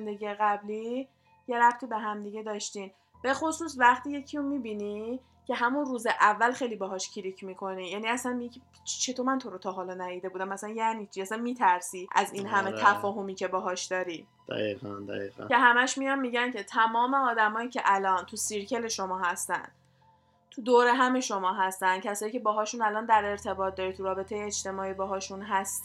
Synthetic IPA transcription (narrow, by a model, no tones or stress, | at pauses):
nd̪e̞ɡijeɣæbli | je̞ɾæbt̪ʰiːbe̞ɦæmd̪iɟe̞d̪ɒːʃt̪in | b̥e̞xosuːsvæχt̪iːje̞cʰiumibiːni | cʰe̞ɦæmunruːzeʔævːælxe̞jlibɒːɦɒːʃcʰiɾicʰmiːkʰo̞nijæniæsænmiicʰe | t͡ʃʰe̞t̪ʰomænt̪ʰo̞ɾot̪ʰɒɦɒːlɒnæjid̪e̞buːd̪æmæsæænjænit͡ʃʰiæsænmiːt̪ʰæɾsiːʔæ̰zinɦæme̞t̪ʰæfɒːɦo̞miːcʰe̞bɒːɦɒːʃd̪̥ɒːɾi | d̪̥æ̰ḭʁænd̪æ̰ḭʁæ̰ke̞ɦæmæʃmijɒnmiːɟæncʰe̞t̪ʰæmɒːme̞ɒːd̪æmɒːiːcʰeʔælɒːnt̪ʰusiɾcʰe̞le̞ʃo̞mɒːhæst̪æ̰nd̪̥ | t̪ʰud̪oːɾe̞ɦæme̞ʃo̞mɒːɦæst̪ænd̪̥̚cʰæsɒːjiːcʰe̞bɒːɦɒːʃunælɒːnd̪æɾe̞ɾt̪ʰe̞bɒːt̪̚d̪ɒːɾit̪ʰuɾɒːbe̞t̪ʰe̞jeːt͡ʃt̪e̞mɒːiːbɒːɦɒːʃunɦæst̪